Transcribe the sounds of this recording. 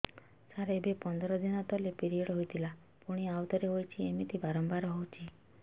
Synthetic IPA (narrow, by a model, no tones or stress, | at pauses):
saɾeebepɔnd̪ɔɾɔd̪inɔt̪ɔlepiɾieɽɔɦojt̪ʰila | puɽ̃iawt̪ɔɾeɦojt͡ʃʰiemit̪ʰibaɾɔmbaɾɔɦowt͡ʃʰi